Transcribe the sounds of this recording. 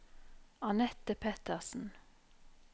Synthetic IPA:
ɑnɛt̪əpʰɛt̪əʁsn̩

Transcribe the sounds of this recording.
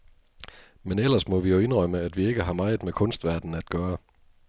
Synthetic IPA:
menel̰ɐsmɒ̽ʋijoe̝nʁœməæd̥ʋie̝ɡ̥əɦɑ̈mɑ̈ɪð̩ˠmekʰɔ̽nsd̥ʋæɐd̥n̩æd̥̚ɡ̥ɶːɐ

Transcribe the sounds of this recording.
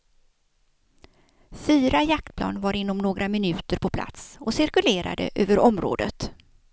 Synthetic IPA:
fyːɾajak̚t̪̚pʰlɑ̰ːnvaɾɪnːɔmnoːɡɾʔamɪnʉ̟ːt̪əɾpʰɔpʰla̰t̪sɔsɪɾkɵleːɾa̰d̪ə̰ʔøːvəɾɔmɾo̰ːd̪ə̰t̪

